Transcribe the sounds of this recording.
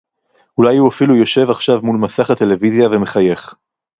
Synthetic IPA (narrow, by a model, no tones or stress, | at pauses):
ulajhuafilujo̞ʃe̞vaχʃavmulmasaχat̪e̞le̞vizjaveme̞χaje̞χ